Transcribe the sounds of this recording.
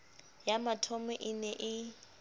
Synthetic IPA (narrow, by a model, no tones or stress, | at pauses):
jamatʰɔmɛʔɪnɛʔɪ